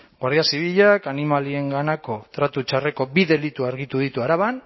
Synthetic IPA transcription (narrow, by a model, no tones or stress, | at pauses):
ɡwaɾðiasiβiʎakanimalie̞ŋɡanako̞t̪ɾat̪ut͡ʃare̞ko̞biðe̞lit̪uaɾɣit̪uð̞it̪uaɾaβan